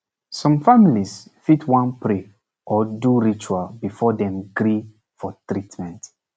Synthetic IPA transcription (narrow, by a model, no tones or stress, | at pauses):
sɔ̃mfamilisfitʰwãnpɾe | ʔɔduɹit͡ʃualbifɔdɛ̃mɡɾi | fɔtɹitmɛ̃nt